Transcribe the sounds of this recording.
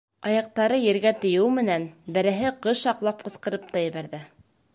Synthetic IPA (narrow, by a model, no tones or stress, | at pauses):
ɑjɑq̚t̪ɑɾɤjɘ̆ɾɡæt̪ɘ̆jɘwmɘ̆nænbɘ̆ɾɘɦɘqɤʃɑqlˠɑp̚qɤ̆sqɤ̆ɾɤp̚t̪ɑjɘ̆βæɾðɘ